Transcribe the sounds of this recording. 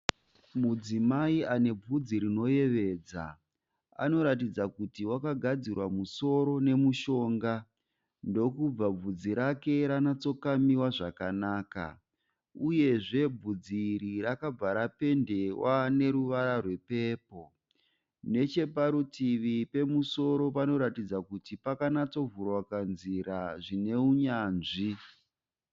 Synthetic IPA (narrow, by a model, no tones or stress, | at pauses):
mud͡zimaiane̞b͡vud͡ziɾino̞je̞ʋe̞ːd͡za̰ | a̰no̞ɾatid͡zakutiwakaɡʱad͡zirwamuso̞ɾo̞ne̞muʃo̞ːŋɡa | ndo̞kub͡vab͡vud͡ziɾake̞ɾanat͡so̞kamiwaʐakanaːka̰ | uje̞ʐe̞b͡vud͡ziɾiɾakab͡vaɾape̞nde̞wane̞ɾuʋaɾarwe̞pe̞ːpo̞ | ne̞t͡ʃe̞paɾutiʋipe̞muso̞ɾo̞pano̞ɾatid͡zakutipakanat͡so̞vurwakanziɾaʐine̞uɲaːnʐi